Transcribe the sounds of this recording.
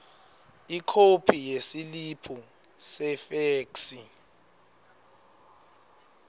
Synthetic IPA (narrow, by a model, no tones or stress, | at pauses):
ikʰopʰijesilipʰu | sɛfeːksi